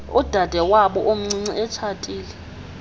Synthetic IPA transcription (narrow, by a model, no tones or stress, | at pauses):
ud̥ʱad̥ʱɛwaɓɔʔom̩ŋ͡ǀiŋ͡ǀiʔɛt͡ʃʰatʼiːlɛ